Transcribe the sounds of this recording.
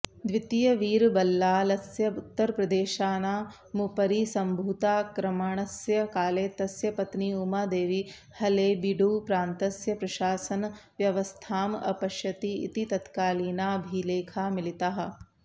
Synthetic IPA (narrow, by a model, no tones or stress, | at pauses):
d̪ʋit̪ijɐʋiːɾbɐlːaːlɐsjɐut̪ːɐɾpɾɐd̪eːʃaːnaː | mupɐɾisɐmbʱuːt̪aːkɾɐmaːɳ̃ɐsjɐkaːleːt̪ɐsjɐpɐt̪niumaːd̪eːʋi | hɐleːbiɖuːpɾaːnt̪ɐsjɐpɾɐʃaːsɐnʋjɐʋɐst̪ʰaːmɐ̰pɐʃjɐt̪ḭːt̪it̪ɐt̪kaːliːnaːɐbʱileːkʰaːmilit̪aɦɐ̆